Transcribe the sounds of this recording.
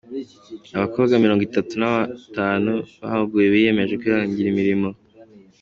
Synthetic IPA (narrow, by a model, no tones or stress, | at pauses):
aβako̞ːβɡamiɾo̞ːŋɡitatunaβataːnuβa̰hɡujeβije̞me̞ʒe̞kiaːɲɟiɾimiɾimo̞